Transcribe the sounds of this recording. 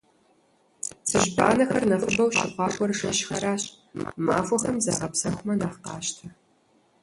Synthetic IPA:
sɨʑba̰ːnɐxɐrnɐfɨbɐwʃɪqʷɑːxʷɔrʂɐʃxɐɾaːɕ | ma̰ːfʷɔxɐmza̰ːʁɐpsɐxʷʊmɐnaːχqɑ̰ːʃtʰɐ

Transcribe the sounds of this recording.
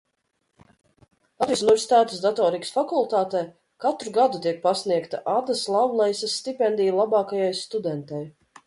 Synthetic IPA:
aɾisunvɛɾsi̥t̪aːt̪esd̪at̪ɔːɾiksfakulˠt̪aːt̪ɛj | kat̪ɾuɡad̪ut̪iɛk̚pasniɛkt̪aʔad̪aslˠawlˠɛjsasːt̪ipʲɛnd̪ʲijlˠabɑːkajajst̪ud̪ɛnt̪aj

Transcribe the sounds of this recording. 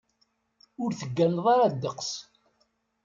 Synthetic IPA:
ʊɾθəɡːænðˤɑɾɑd̪ːəqs

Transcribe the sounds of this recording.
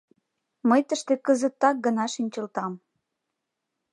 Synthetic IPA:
məjt̪əʃt̪ekəzət̪ːɑk̚ɡənɑʃinʲt͡ɕə̆lt̪ɑm

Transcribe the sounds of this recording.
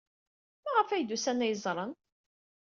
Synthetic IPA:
mæʁəfæjd̪usænæjəzˤɾˤən

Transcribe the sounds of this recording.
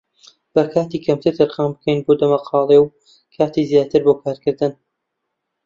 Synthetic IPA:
b̥ɐkʰaːt̪iːkʰɐmt̪ʰɨɾt̪ʰɐɾxaːmbɨkʰɐjnboːd̪ɐmɐqʰɑːlˠew | kʰaːt̪iːzjaːt̪ɨɾboːkʰaːɾkɨɾd̪ɨn

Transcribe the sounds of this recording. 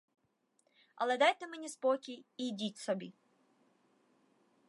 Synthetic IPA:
ɐ̰lˠɛd̪ɑjt̪ɪmenʲispɔkʲijːjdʲitʲsɔbʲi

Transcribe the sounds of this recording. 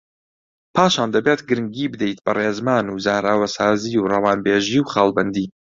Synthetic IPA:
pʰaːʃaːnd̪ɐbeːt̪ɡɨɾɨŋɡiːbɨd̪ejt̪bɐreːzmaːnuːzaːɾaːwɐsaːziːwrɐwaːnbeːʒiːwχaːlˠbɐnd̪iː

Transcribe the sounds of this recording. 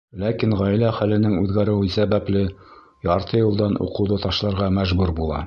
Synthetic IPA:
lækinʁæjlæχælɘ̆nɘŋʉðɡæɾɘ̆wɘsæβæplɘ | jɑɾt̪ʰɤjɤ̆lˠd̪ɑnʔṵqɤ̆wðɤt̪ɑʃlˠɑɾʁɑmæʒbʉɾbulˠɑ̰

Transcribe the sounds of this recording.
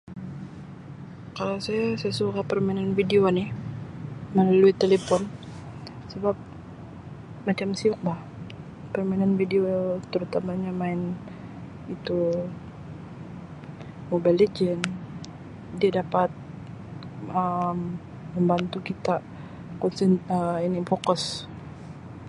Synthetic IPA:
kalasajasajasukapərmainanfideonɪh | məlaluit̪elefɔn | səbap̚ | mat͡ʃamsiʊk̚lah | pərmananfideot̪əɾut̪amaɲamaɪn | it̪u | mobajled͡ʒɛn | diadapat̪̚ | əmː | əmbant̪ukit̪a | kɔnsɛnəinifokʊs

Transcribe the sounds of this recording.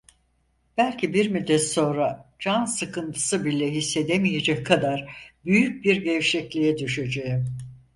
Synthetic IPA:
b̥ælʲcʰibiɾmid̪ɛso̞nɾad͡ʒansɯkʰɯnt̪ʰɯ̥sɯbilʲɛɦisːe̞d̪emije̞d͡ʒɛckʰːad̪aɾbyjyc̚biɾɟɛvʃɛclʲijɛd̪yʃed͡ʒejim

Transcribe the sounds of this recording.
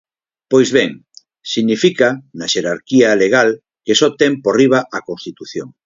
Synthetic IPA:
pojzβɛŋ | siɣnifikanɐʃeɾaɾkialeɣal | kesot̪emporiβ̞aʔɐkõnst̪it̪uθjoŋ

